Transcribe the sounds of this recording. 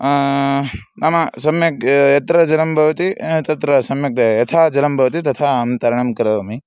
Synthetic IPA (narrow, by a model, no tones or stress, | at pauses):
nɐmɐsɐmjɐkjɐt̪ɾɐd͡ʒɐlɐmbʱɐʋɐt̪it̪ɐt̪ɾɐsɐmjɐk̚d̪ɐjɐt̪ʰaːd͡ʒɐlɐmbʱɐʋɐt̪it̪ɐt̪ʰaːɐmt̪ɐɾɐɳɐmkɐɾɐʋɐmi